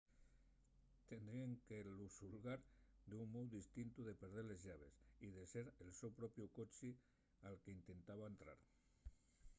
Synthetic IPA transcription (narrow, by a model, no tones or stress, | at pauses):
t̪end̪ɾieŋkelusulɣaɾd̪uŋmowðist̪int̪uðepeɾð̞eɾlezʝaβ̞esið̞eseɾelsewpɾopjukot͡ʃi | alkeint̪e̞nt̪aβaent̪ɾa̰ɾ